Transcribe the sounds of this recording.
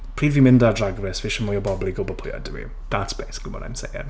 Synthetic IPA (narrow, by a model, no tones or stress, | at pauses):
pʰr̥iːdvimɪndadraɡrɛsvɪʃəmɔjɔbɔblˠiɡobɔpʰʊja̰dɪwḭ | ðatsb̥eːsɪ̥kʰlimɔ̰na̰jmsḛjə̰n